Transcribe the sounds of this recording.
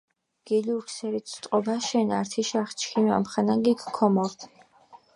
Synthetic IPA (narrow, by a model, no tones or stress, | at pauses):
ɡ̥ɛliuɾkʰsɛɾit̪ʰt̪ʼqʼɔbaʃɛnaɾt̪ʰiʃaχt͡ʃʰkima̰mχanaŋɡikʰkʰːɔmɔɾt̪ʰ